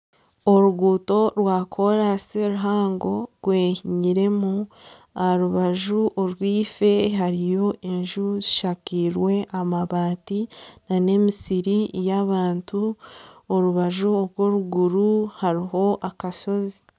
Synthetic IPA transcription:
oɾuɡuːto̞ɾwaːkʰo̞ɾaseɾuɦaːŋɡo̞ɾɡ̥weːhiɲiɾe̞mu | ahaɾuβaʒuʔoɾwiːfe̞ɦaɾijo̞ʔeɲʒuziʃakiɾwe̞ʔamaβaːtinane̞misiɾijaβaːntu | oɾuβaʒuoɾɡo̞ɾuɡuɾuhaɾiɦo̞ʔakaʃo̞zi

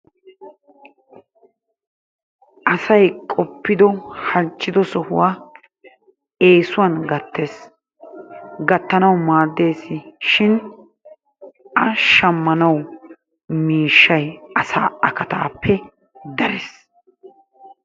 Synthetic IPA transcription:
ʔɐsɐjkʼɔpːɪd̪ɔhɐnt͡ʃːɪd̪ɔsɔhʊwaː | e̞ːsʊwɐnɡɐt̪ːes | ɡɐt̪ːɐnɐwmaːd̪ːe̞ːsːɪʃɪn | ɐʃɐmːɐnɐw | miːʃːɐjɐsaːɐkɐt̪a̰ːpʰːɛ | d̪ɐɾɛs

